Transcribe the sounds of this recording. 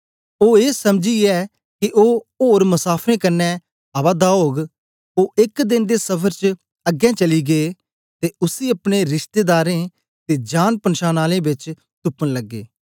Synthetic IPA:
oːeːsəmd͡ʒiːɛː | kɪʔoːoːɾmʊsaːpʰɾẽːkənːɛː | aʋaːd̪aːɦoːɡ | oːʔɪkd̪ɪnd̪eːsəpʰəɾt͡ʃ | əɡɛ̃ːt͡ʃəliːɡeː | t̪eːʊsiːəpɽeɾɪʃt̪eːd̪aːɾẽː | t̪eːd͡ʒaːnpənʃaːnaːlẽːbɪt͡ʃ | t̪ʊpənləɡːḛː

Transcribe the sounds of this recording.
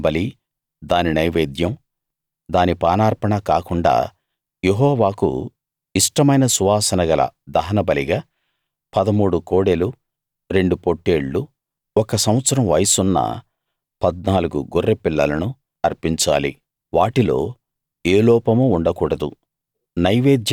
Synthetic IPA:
bɐli | d̪aːninɐjʋeːd̪jɐm | d̪aːnipaːnaːɾpɐɳɐkaːkuɳɖa̰ː | jeɦɔːʋaːkṵ | iʂʈɐmɐjnɐsuʋaːsɐnɐɡɐlɐ̰d̪ɐɦɐnɐbɐliɡaː | pɐd̪ɐmuːɽukoːɽelu | ɾe̞ɳɖupoʈːeːɭːu | ɔkɐsɐm̃ʋɐt̪sɐɾɐmʋɐjɐsunːɐ̰ | pɐd̪̚naːluɡuɡorːepilːɐlɐnu | ɐɾpiɲt͡ʃa̰ːli | ʋaːʈilo̞̰ː | eːlɔːpɐmuːɳɖɐkuːɽɐd̪u | nɐjʋeːd̪j

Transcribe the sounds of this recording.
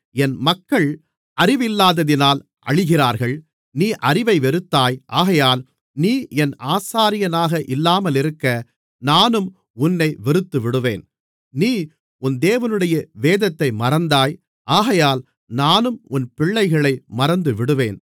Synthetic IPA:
ɛnmɐkːɐɭ | ʔɐɾɪʋɪlːaːðɐðɪnaːl | ʔɐ̰ɻɪɣɪraːɾɣɐɭ | niːʔɐɾɪʋɐɪʋɛɾɯt̪ːaːjʔaːɣɐjaːl | niːɛnʔaːsaːɾɪjɐnaːɣɐʔɪlːaːmɐlɪɾɯkːɐ | naːnɯm | ʊnːɐɪʋɛɾɯt̪ːɯʋɪɽɯʋeːn | niː | ʊnd̪eːʋɐnɯɽɐjɐʋeːðɐt̪ːɐɪmɐɾɐnd̪aːj | ʔaːɣɐjaːl | naːnɯmʊnpɪɭːɐɪɣɐɭɐɪmɐɾɐnd̪ɯʋɪɽɯʋeːn

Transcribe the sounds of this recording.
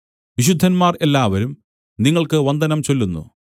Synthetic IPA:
ʋiɕ̬ud̪ʱːɐnmaːre̞lːaːʋɐɾum | niŋːɐɭkɨʋɐnd̪ʱɐnɐmt͡ɕo̞lːunːṵ

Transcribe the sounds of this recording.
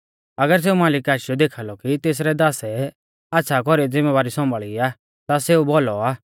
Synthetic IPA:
ɐɡəɾs̬eːumaːlɪkaːʃɪjɔd̪eːkʰalɔkit̪eːs̬ɾɛd̪aːsɛ | aːtːʃʰakɔɾid͡zɪmeʋaːɾisɔ̃mbʱəɭiaː | t̪aseːubɔlɔaː

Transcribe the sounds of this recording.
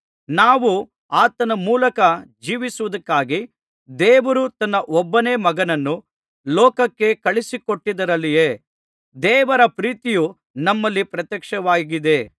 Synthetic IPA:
naːʋu | aːt̪ɐnɐmuːlɐkɐd͡ʒiːʋisuʋɐd̪ɐkːaːɡi | d̪ɛːʋɐɾut̪ɐnːɐʔɔbːɐneːmɐɡɐnɐnːu | lɔːkɐkːe̞kɐɭisikoʈːid̪ɐɾɐlːijeː | d̪ɛːʋɐɾɐpɾiːt̪iju | nɐmːɐlːipɾɐt̪jɐkʂɐʋaːɡid̪e̞

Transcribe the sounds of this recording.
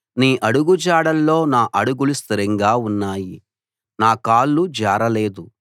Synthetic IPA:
niːʔɐɽuɡud͡ʒaːɽɐlːo̞ːnaːʔɐɽuɡulust̪iɾɐŋɡaːunːaːji | naːkaːlːud͡ʒaːɾɐle̞ːd̪u

